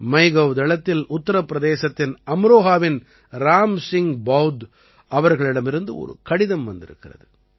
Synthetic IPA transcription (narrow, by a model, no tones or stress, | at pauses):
mɐɪɣɐʋd̪ɛɭɐt̪ːɪlʊt̪ːɐɾɐpːɾɐðeːsɐt̪ːɪnɐmɾoːɣaːʋɪn | ɾaːmsɪŋbɐwd̪ | ɐʋɐɾɣɐɭɪɽɐmɪɾɯnd̪ɯɔ̰ɾɯ̰kɐɽɪðɐmʋɐnd̪ɪ̰ɾɯ̰kːɪrɐ̰ðɯ